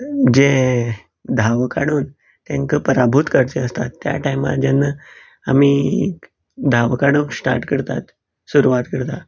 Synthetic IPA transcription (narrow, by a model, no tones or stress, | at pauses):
d͡ʑe | d̪ʱaʋkaɽuːn | t̪jãŋkəpəɾabʱut̪kəɾt͡ɕeəst̪at̪ːja̰ʈajma̰d͡ʑanːə | amiː | d̪ʱaʋkaɽunsʈa̰ɾʈkəɾt̪at̪ | suɾuʋat̪kəɾt̪a